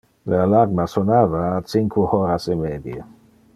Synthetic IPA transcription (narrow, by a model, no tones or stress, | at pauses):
lealaɾmasonaːvaːt͡siŋkʰuhoɾasemeːd̪je